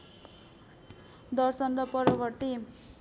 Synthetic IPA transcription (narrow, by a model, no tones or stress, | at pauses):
d̪ʌrsʌnrʌpʌɾʌbʌrt̪i